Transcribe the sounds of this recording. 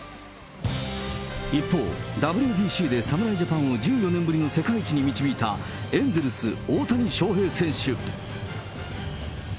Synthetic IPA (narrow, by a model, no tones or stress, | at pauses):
ipːo̞̰ːd̪abɯ̟ɾʲɯbʲiːɕiːd̪e̞samɯ̟ɾaiʑapãɰ̃o̞d͡ʑɨːjo̞nẽ̞mbɯ̟ɾʲino̞se̞kait͡ɕiɲ̟imʲit͡ɕibʲiːt̪a | ẽ̞nd͡ze̞ɾɯsɨoːt̪aɲ̟iɕo̞ːɦe̞ːsẽ̞ɕɨ